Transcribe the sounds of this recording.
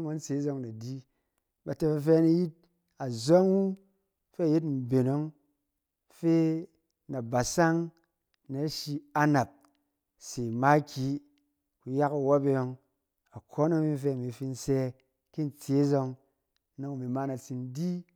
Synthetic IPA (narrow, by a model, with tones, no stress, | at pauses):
ŋʷo˦n̩˦t͡se˨˦zo˧ŋna˨di˦ | ba˨te˧ba˧fe˦na˧ji˦t̚ | a˨zo˦ŋwu˦ | fe˦a˨ji˦t̬m̩˨be˨no˦ŋ | fe˦ | na˨ba˨sa˦ŋ | ne˨˦ʃi˧a˧na˨p̚ | se˨ma˦kʲi˨˦ | ku˨ja˦ka˨wa˦be˧jo˧ŋ | a˨kʰo˦na˦mi˦f̬e˦a˨mi˨fi˧n̩˦se˧ | ki˦n̩˦t͡se˨˦zo˧ŋ˦ | no˦ŋ˨mi˨ma˦na˨t͡si˧n˦di˦